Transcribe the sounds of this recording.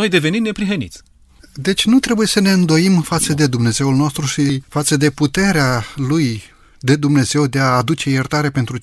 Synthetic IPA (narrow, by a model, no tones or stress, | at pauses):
ojd̪e̞ve̞nimne̞pɾiɦənḭt̪sʲ | d̪e̞t͡ʃʲnut̪ɾe̞buje̞səne̞ɨnd̪o̞imfat̪səd̪e̞d̪umne̞ze̞ulnost̪ɾuʃifat̪səd̪e̞put̪e̞ɾealuj | d̪e̞d̪umne̞ze̞wd̪e̞aːd̪ut͡ʃe̞jert̪aɾe̞pent̪ɾu